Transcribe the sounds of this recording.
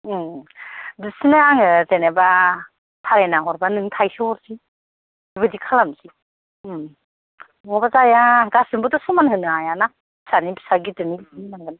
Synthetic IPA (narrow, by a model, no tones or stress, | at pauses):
dɯsinaaŋɯzeneba | tʰaɾenaɦɔɾbanɯŋtʰajsɯɔɾzi | ibɯdikʰalamsi | m | ŋɔbazajaɡasɯmbɯdɔsɔmanɦɯnɯajana | bi̥sanibisaɡitɯnilininaŋɡɯn